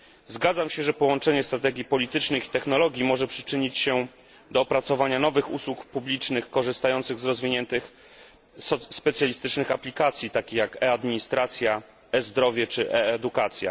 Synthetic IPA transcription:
zɡad̪zamɕɛʐɛpɔwɔnt͡ʂɛɲɛst̪ɾat̪ɛɡʲjipɔlʲit̪ɘt͡ʂnɘxi̥t̪ɛxnɔlɔɡʲjimɔʐɛpʂɘ̥t͡ʂɘɲit͡ɕɕɛ | d̪ɔːpɾat̪sɔvaɲanɔvɘxṵswukpublʲit͡ʂnɘxkɔʐɘst̪ajɔnt̪sɘɣzɾɔzvʲiɲɛnt̪ɘx | spɛt̪sʲjalʲist̪ɘt͡ʂnɘxaplʲikat̪sʲjit̪akʲixjakɛad̪mʲiɲist̪ɾat̪sʲja | ɛzd̪ɾɔvʲjɛt͡ʂɘʔɛɛd̪ukat̪sʲja̰

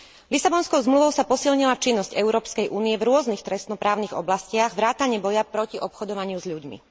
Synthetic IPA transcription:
lisabɔnskɔʊzmluʋɔʊsapɔsilɲilat͡ʃinːɔscɛʊɾɔːpskɛjʔuːnijɛvɾʊɔznixt̪ɾɛst̪nɔpɾaːʊniɣɔ̰blascɪaɣʋɾaːt̪aɲɪɛbɔjapɾɔciʔɔpxɔd̪ɔʋaɲɪuzʎuɟmḭ

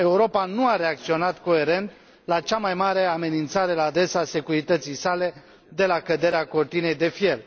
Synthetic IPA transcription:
e̞uɾo̞panuaɾe̞ak̚t̪sio̞nat̪ko̞e̞ɾe̞nt̪ | lat͡ʃamajmaɾe̞ame̞nint̪saɾe̞laːd̪ɾe̞sase̞kuɾit̪ət̪sijsale̞ | d̪e̞lakəd̪e̞ɾeako̞rt̪ine̞jd̪e̞fje̞l

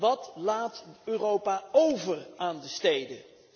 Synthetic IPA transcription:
ʋɑtlaːtøːrowpaowvəraːndəstejdə

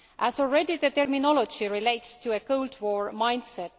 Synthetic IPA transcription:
ʔæzɔlɹɛdiðət̪ɛɹminɔlod͡ʒiɹileɪtstʰːuəkʰoʊldwoɹmɑ̃j̃nd̥sɛt

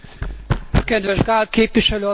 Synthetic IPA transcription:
ɒkɛd̪ʋɛʒɡaːl̚keːpʋiʃɛløːɒ

